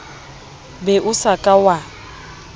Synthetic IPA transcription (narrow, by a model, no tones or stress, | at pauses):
bɛʔʊsakʼawa